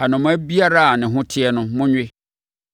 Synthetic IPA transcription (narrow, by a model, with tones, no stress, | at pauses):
a˨nʊ̃˨mʊ̃˦æ˦bi˦a˦ɾa˦a˨nɪ̃˨ɦʊ̃˦tʰɪ˦ɛ˦nʊ̃˦mʊ̃˦ɲᶣɪ˦